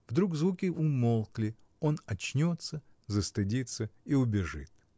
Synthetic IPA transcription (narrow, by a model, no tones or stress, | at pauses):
vd̪ɾukzvukʲɪʔʊmolˠklʲɪ | onɐt͡ɕnʲot̪sə | zəst̪ɨdʲit̪səiʊbʲɪʐɨ̰t̪̚